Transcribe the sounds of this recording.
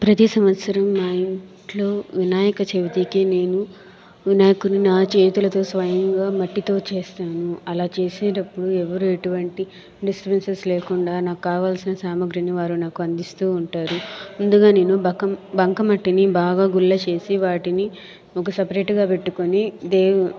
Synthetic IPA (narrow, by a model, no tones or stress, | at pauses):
pɾɐt̪isɐmʋɐt̪sɐɾɐmːaːiɳʈlo̞ːʋinaːjɐkɐt͡ʃeʋit̪ikine̞ːnu | ʋinaːjɐkuɾninaːt͡ʃe̞ːt̪ulɐt̪o̞ːsʋɐjɐŋɡaːmɐʈːit̪o̞ːt͡ʃe̞ːst̪aːnuɐlaːt͡ʃe̞ːseːnɐpːuɽuɛʋɐɾuːeʈuʋɐɳʈi | ɖispensesleːkuɳɖaːnaːkukaːʋaːlsinɐsaːmɐɡɾɐniʋaːɾunaːkuɐnd̪ist̪uːɳʈaːɾuund̪uɡaːne̞ːnubɐkɐmbɐŋkɐmɐʈːinibaːɡaːɡulːɐt͡ʃe̞ːsiʋaːʈini | ɔkɐsɐpɐɾeːʈɡaːpe̞ʈːukonid̪eː